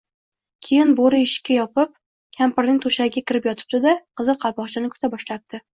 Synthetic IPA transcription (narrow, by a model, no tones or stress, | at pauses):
kʲʰejɪnboɾɪɪʃkʲːajɒpɪp̚ | kʲʰampɪɾnɪŋʲt̪ʰoʃaɡʲakʲɪɾɪpjɒt̪ʰɪ̥b̚d̪ɪd̪aqʰɨzɨqʰɑɾpɒχt͡ʃʰɪnɪkʰʊ̥t̪ʰabɒʃlap̚d̪̥ɪ